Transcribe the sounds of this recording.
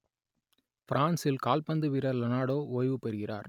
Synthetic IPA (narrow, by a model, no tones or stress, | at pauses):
fɪɾaːnsɪlkaːlpɐnd̪ɯʋɪɾɐɾlɐnaːɽoːʔoːjʋɯpɛɾɯɣɪra̰ːɾ